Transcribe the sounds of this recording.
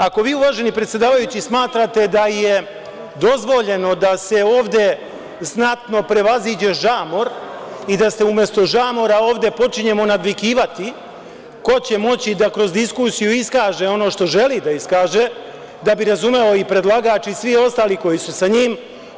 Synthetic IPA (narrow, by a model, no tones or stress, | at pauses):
ako̞ʋiːuʋaːʒe̞nipɾet̪sjed̪aːʋajut͡ɕismaːt̪ɾat̪e̞d̪aje̞ | d̪o̞zʋo̞ʎe̞no̞d̪ase̞o̞ːʋd̪e̞ | znat̪no̞pɾe̞ʋaziːd͡ʑe̞ʒaːmo̞ɾid̪aseumje̞st̪o̞ʒaːmo̞ɾao̞ːʋd̪e̞po̞t͡ʃiɲe̞mo̞nad̪ʋikiːʋat̪i | ko̞t͡ɕe̞mo̞t͡ɕid̪akɾo̞zd̪iskusijuiskaːʒe̞o̞no̞ʃt̪o̞ʒe̞lid̪aiskaːʒe | d̪abiɾazume̞o̞ipɾe̞d̪lˠaɡaːt͡ʃisʋio̞st̪aːliko̞jisusaɲiːm